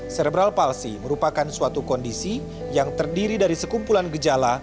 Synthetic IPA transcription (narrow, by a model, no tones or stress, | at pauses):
sɛɾɛbɾalpalsiməɾupakansuat̪ukɔndisi | jaŋt̪ərdiɾidaɾisəkumpulanɡəd͡ʒala